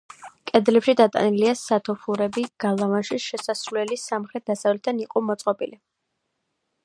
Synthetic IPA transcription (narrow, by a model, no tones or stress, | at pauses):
kʼɛd̪lɛpʃid̪at̪ʼa̰niliasat̪ʰɔpʰuɾɛbiɡ̥alˠavanʃiʃɛsasɾulɛlisamχɾɛt̪̚d̪̥asavlɛt̪ʰaniqʼɔmɔt̪sʼqʼɔpʼili